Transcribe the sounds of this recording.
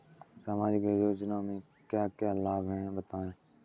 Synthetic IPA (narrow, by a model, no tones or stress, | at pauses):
saːmaːd͡ʒikejoːd͡ʒnaːmẽː | kjaːkjaːlaːbɦẽːbət̪aːẽː